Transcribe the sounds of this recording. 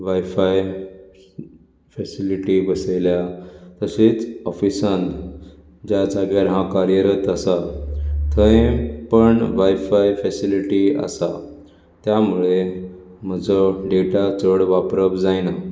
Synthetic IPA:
ʋajfaj | fɛsiliʈibəseljat̪əset͡sɔfisãnt̪ | d͡ʑjad͡zaɡjaɾɦãkaɾjəɾət̪əsat̪ʰəẽpəɳʋajfajfɛsiliʈiə̰sa | t̪jamuɭe | m̤əd͡zɔɖeʈat͡səɽʋapɾəbd͡zajna

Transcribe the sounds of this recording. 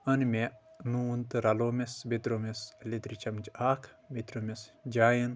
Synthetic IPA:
ɐnmenuːnt̪ɨɾɐloːmesbet̪ɾomesled̪ɾit͡ʃɐmd͡ʒaːkʰ | bet̪ɾomesd͡ʒaːjɐn

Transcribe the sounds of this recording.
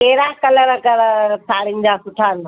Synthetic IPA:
eːɾaːkɐləɾkɐɾsʰaːɽɪnɪ̆d͡ʑaːsʊʈʰaːna

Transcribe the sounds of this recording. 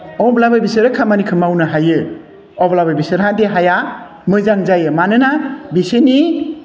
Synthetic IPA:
ɔblabajbisɯɾɯkʰamanikʰɯmawnɯɦajɯ | ɔblababisɯɾɦandeɦaja | mɯzaŋzajɯmanɯnabiseni

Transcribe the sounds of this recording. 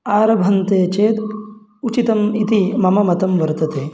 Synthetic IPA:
aːɾɐbʱɐnt̪eːt͡ʃeːt̪ | ut͡ʃit̪ɐmit̪imɐmɐmɐt̪ɐmʋɐɾt̪ɐt̪eː

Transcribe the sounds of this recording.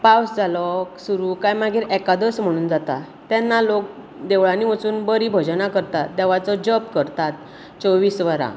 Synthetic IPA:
pawsd͡zalɔsuɾukajmaɡʱiːɾɛkad̪əsm̤əɽ̃uːnd͡zat̪a | t̪ɛnːalok̚ | d̪eʋɭaniʋət͡suːnbəɾibʱɔd͡ʑnakəɾt̪at̪̚d̪ɛʋat͡sɔd͡ʑəpkəɾt̪at̪̚ | t͡sɔʋiːsʋəɾa̰

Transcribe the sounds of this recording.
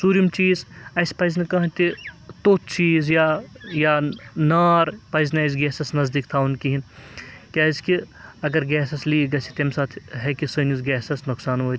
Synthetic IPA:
suːɾijɐmt͡ʃiːzɐjspɐjznɐkɐɦt̪it̪oːt̪ʰt͡ʃiːzjajanaːɾpɐjzneɐs̬ɡɛːsɐsnɐzd̪ikt̪ʰaːunkiɦinkʲaːzki | ɐɡɐɾɡɛːsɐsliːɡɐsit̪emsat̪ʰɦɛkisonusɡɛːsɐsnʊksaːnɦoː

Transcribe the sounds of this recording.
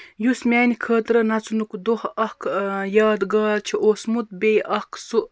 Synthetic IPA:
jusmʲæːnʲikʰəːt̪ɾənɐt͡sunukd̪ohɐhkʰjaːd̪ɡaːlt͡ʃʰiʔoːsmut̪̚bejʔɐhkʰsuʔ

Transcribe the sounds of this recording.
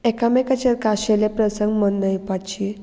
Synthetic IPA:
ekamekat͡ɕeɾkaɕelepɾəsəŋɡmənːəjpat͡ɕi

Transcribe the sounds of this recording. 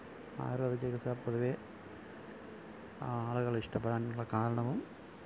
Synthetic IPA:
a̰ːjɾʋɐðɐt͡ɕːɐɣisapːoðuʋeː | aːɭuɣɐɭiʂʈɐp̬ːɐɽaːnnuɭːɐkaːɾɐɳɐʋum

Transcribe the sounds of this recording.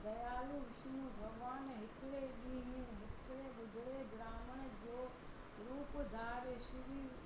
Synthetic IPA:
d̪ɐjaːluʋɪʃnũbʱɐɡʋaːnɦɪkɪɽeɗĩːɦɪ̃nɦɪkɪɽeɓʊd̪ʱɪɽeɡɾaːməɽ̃̆d͡ʑoː | ɾuːpd̪ʱaːɾeʃɪɾiː

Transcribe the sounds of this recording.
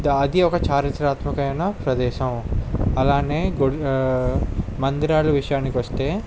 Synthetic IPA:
ɐd̪iɔkɐt͡ʃaːɾit̪ɾaːt̪mɐkɐjɐnɐpɾɐd̪ɛːʃɐmɐlaːneːɡo | mɐnd̪iɾaːluʋiʂɐjaːnːikiʋɐst̪e̞ː

